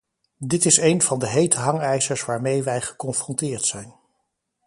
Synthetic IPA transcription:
dɪtɪsejnv̥ɑndəɦejtəɦɑŋɛjsəɹsʋaːɹmejʋɛjχə̥kɔnfrɔntɪːɹtsɛjn

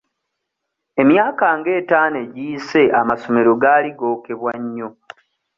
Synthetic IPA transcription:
e̞mjaːkaŋɡe̞ːtaːne̞ɟiːse̞ʔamaso̞me̞ɾo̞ɡaːliɡo̞ːke̞βwaɲːo̞

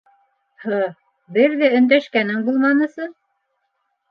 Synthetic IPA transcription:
hɤ | bɘɾðæɵ̆nd̪æʃkænɘŋbulˠmɑnɤ̆sɤ

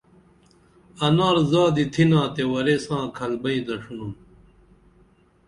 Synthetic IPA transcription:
ɐnaːɾzaːd̪it̪ʰinãːt̪ewɐɾesãːkʰɐlbɐĩd̪ɐʂunum

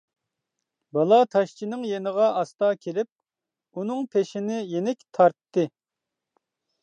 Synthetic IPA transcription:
bɑlˠɑt̪ʰɑʃt͡ʃʰinɪŋjenəʁɑɑst̪ɑkʲʰelɪp̚ | unɨŋpʰeʃɪnɪjenɪkʲt̪ʰɑɾt̪ʰːɨ

